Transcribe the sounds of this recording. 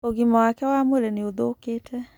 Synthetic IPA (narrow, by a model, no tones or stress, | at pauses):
oɣimɔwakɛwamwɛɾɛneoðokeːtʰɛ